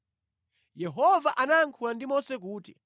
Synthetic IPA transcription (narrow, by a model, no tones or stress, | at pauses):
jɛɦɔvaʔanaŋkʰulandimɔsɛk̬uːti